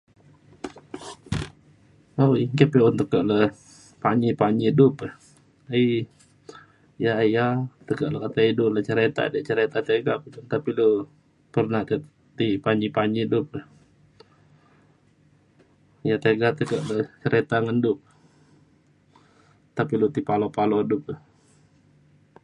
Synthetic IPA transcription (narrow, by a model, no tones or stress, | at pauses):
awkəpɛɔnt̪əkəʔlə | paɲipaɲidupəh | əi | jajat̪əkəʔləkat̪aidʊʔlət͡ʃəɾet̪a̰dəʔt͡ʃəɾet̪at̪eɡapud͡ʒunt̪apilo | pərnaht̪əʔ | t̪ipaɲipaɲidup̚ə | jat̪eɡat̪əkəʔlət͡ʃəɾet̪aŋəndʊp̚ | t̪apilut̪ipalopalodʊp̚əh